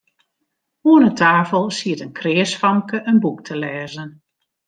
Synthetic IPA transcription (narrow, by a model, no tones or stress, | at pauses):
uənətʰaːfəlˠsiətənkʰrɪːsfɑmkəʔənbuktʰəlɛːzən